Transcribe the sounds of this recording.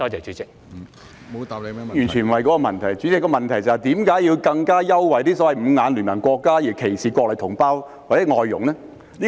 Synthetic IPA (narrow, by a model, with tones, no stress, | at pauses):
tɔː˥t͡sɛː˨˩t͡ʃy˨˥t͡sɪ˨k̚ | jyː˨˩nt͡ʃʰːnm̩˨wɐ˨jkɔː˨˥kɔ˧mɐ˨˩nt̪ʰɐ˨˩jt͡sy˨˥t͡sɪ˨kːɔː˧mɐ˨nt̪ʰɐ˨˩jt͡sɐ˨˩hɐ˨˩t̪iː˨˥mkaː˨˥jːiː˧wkɐ˧ŋkaː˥jɐ˥wwɐ˨˩jt̪iː˥sɔː˨˥wɐ˨jm̩ː˨˧ŋaː˨˧nlyː˨˩nmɐ˨˩nkʷɔː˧kːaː˥ji˨˩kʰe˨˩jsʰiː˨kʷɔː˧k̚lɐ˨jt̪ʰʊ˨˩ŋpaː˥w | waː˨˩t͡sɛː˨˧˥ŋɔː˧jːʊ̰˨˩ŋlɛː˥ | liː˥